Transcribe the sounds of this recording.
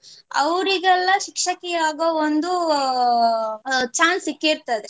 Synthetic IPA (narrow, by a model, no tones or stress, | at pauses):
ɐ̰ʋɾiɡɛlːɐʃikʂɐkɛjaːɡɐond̪u | t͡ʃaːnsikːiɾt̪ɐd̪e